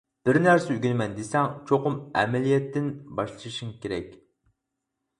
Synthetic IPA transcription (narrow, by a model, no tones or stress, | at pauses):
b̥ɪɾnæɾsɪyɡʲɪnmɛnd̪esɛŋt͡ʃʰoqʊmɛ̰mɛlijɛt̪ʰːɪnbɑʃlˠɨʃɨʃuŋkʲeɾɛkʲ